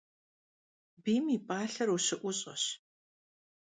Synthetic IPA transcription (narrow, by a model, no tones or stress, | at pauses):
biːmipʼaːɬɐruɕɪʔʷʊɕʼɐɕ